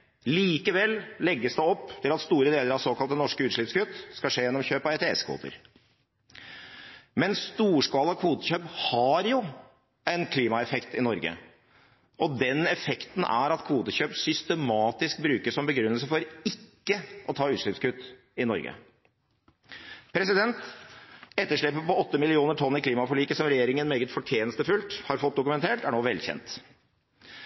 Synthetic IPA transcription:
liːkəʋɛlːlɛɡːəsd̪ɛɔpːt̪ʰɪlɑt̪st̪uːɾəd̪eːləɾɑʋsoːkɑlt̪ənɔʂkəʉːt̪ʂɭɪpskʉt̪ːskɑʂeːjɛnːɔmçøːpɑɛt̪ɛɛ̰skʰʋṵːt̪ə̰ɾ | mɛnst̪uːʂkɑːləɑkʰʋuːt̪əçøːphɑɾjʊ | ɛɪnkʰliːmɑɛfɛkt̪ɪnɔɾɡə̰ | ɔd̪ɛnɛfɛkt̪n̩æ̰ɾɑt̪kʰʋuːt̪əçøːpsʏst̪ɛmɑːt̪ɪsk̚bɾʉːkəsɔmbəɡɾʉnːəlsəfɔɾɪkːəʔɔt̪ʰɑːʉːt̪ʂɭɪpskʉt̪ː | ɪnɔ̰ɾɡə̰ | pʰɾɛsɪd̪ɛnt̪ | ɛt̪ːəʂɭɛpːəpɔɔt̪ːəmɪlɪuːnəʈʰɔnːɪkʰliːmɑfɔɭiːkəsɔmɾɛjeːɾɪŋənmeːɡət̪fɔʈʰjeːnəst̪əfʉlt̪hɑɾfɔt̪̚d̪ʊkʉmɛnt̪ʰeːʈæɳoːʋɛlçɛ̰nt̪

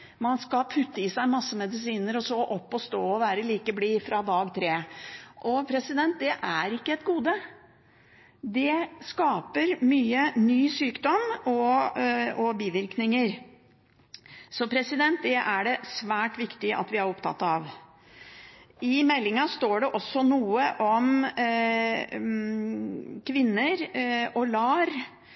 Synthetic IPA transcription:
mɑnskɑpʰʉt̪ːəɪsæɪmɑsːəmɛd̪ɪs̬iːnəɾɔsɔːʔɔpːɔst̪oːɔʋæːɾəliːkəbliːfɾɑd̪ɑːɡt̪ʰɾeːʔɔpʰɾɛsɪd̪ɛnt̪̚d̪ɛʔæɾɪkːəɛt̪ɡuːd̪ə | d̪ɛskɑːpəɾmyːənyːsyːkd̪ɔmɔ | ɔbiːʋɪɾknɪŋəɾ | sɔpʰɾɛsɪd̪ɛnt̪̚d̪ɛʔæɖɛsʋæːʈʋɪkt̪ɪʔɑ̰t̪ʋɪæɾɔpt̪ʰɑ̰t̪ːɑʋ | ɪmɛlːɪŋɑst̪oːɖɛʔɔsːɔnuːəʔɔm | kʰʋɪnːəɾɔlɑːɾ

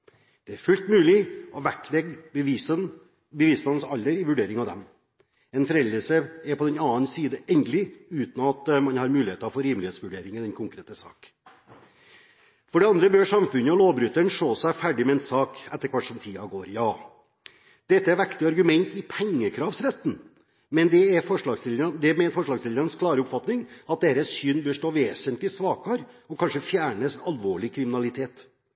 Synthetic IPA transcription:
d̪̥ɛæɾfʉlt̪mʉːlɪɔʋæʈʰlɛɡəsən | bəʋɪslɑn̩sɑlːəɾɪʋʉɖeːɾɪŋɑʋd̪ɛm | ɛnfɔɾɛləʂəɛɾpʰɔd̪ɛnɑːənsiːd̪əʔɛnd̪l̩ɪʉːt̪nɑt̪mɑnhɑɾmʉːlɪheːt̪ɑfɔɾiːmlɪheːt̪sʋʉɖeːɾɪŋənd̪ɛnkʰʊŋkɾeːt̪əsɑ̰ːk | fɔɖɛɑnd̪ɾəbøːʂɑmfʉnəɔloːʋbɾʉt̪ːəɳʂɭoːsæfæɖɪmɛɛnsɑːkɛt̪ːəɾkʰʋɑʈʂɔmt̪ʰiːɑɡoːɾjɑː | d̪̥ɛt̪ːəæɾʋækt̪ɪɑɾɡʉmɛnt̪ɪpʰɛŋːəkʰɾɑːʋsɾɛt̪ːn̩ | mɛnd̪ɛɛfɔʂɭɑːɡsɪld̪əɾɑnd̪ɛmɛɪnfɔʂɭɑːɡslɪld̪əɾɑnskʰlɑːɾəʊpfɑt̪nɪŋɑt̪̚d̪eːɾəsʏnbøːʂʈoːʋeːsənt̪lɪsʋɑːkɑɾɔkʰɑnʂəfjæːɳəsɑlʋoːɭɪkʰɾɪmɪnɑlɪt̪ʰeːt̪

